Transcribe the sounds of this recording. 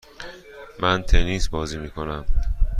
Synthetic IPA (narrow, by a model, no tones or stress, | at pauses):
mænt̪ʰeniːsbɒːziːmiːkʰo̞næm